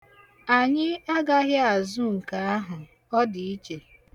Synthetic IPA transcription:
a˨ɲɪ˦a˦ɡa˦ɦjɪ˦a˨zu˦ŋ̩˨ka˨a˦ɦʊ˨ | ɔ˦dɪ˨i˦t͡ʃe˨

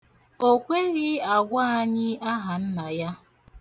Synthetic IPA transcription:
o˦kʷe˦ɣɪ˦a˨ɡʷa˦a˦ɲɪ˦a˦ɦa˨n̩˦na˨ja˦

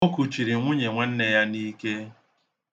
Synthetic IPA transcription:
o˦ku˨t͡ʃi˨ɾi˨ŋʷʊ˦ɲe˨ŋʷe˦n̩˦ne˨ja˦ni˦ke˦

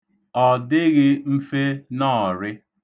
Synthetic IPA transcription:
ɔ˨dɪ˦ɣɪ˦m̩˦fe˦nɔ˦˨ɾɪ˦

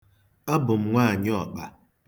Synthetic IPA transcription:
a˦bʊ˨m̩˦ŋʷaː˦˨ɲɪ˦ɔ˨k͡pa˦

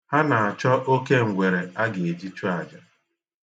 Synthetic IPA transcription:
ha˦na˨a˨t͡ʃɔ˦ʔo˦ke˦ŋ̩˨ɡʷe˨ɾe˨a˦ɡe˨e˨d͡ʒi˦t͡ʃu˦a˨d͡ʒa˨

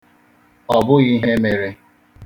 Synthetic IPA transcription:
ɔ˨bʊ˦ɣi˦ɦe˦me˨ɾe˦

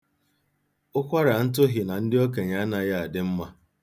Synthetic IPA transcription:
ʊ˦kʷa˦ɾa˨n̩˦t̬ʊ˦ɦɪ˨na˨n̩˦dɪ˦o˦ke˨ɲa˨˦a˦na˨ja˦a˨dɪ˦m̩˦ma˦

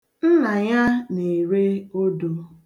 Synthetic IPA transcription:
n̩˦na˨ɲa˦ne˨ɾe˦o˦do˨

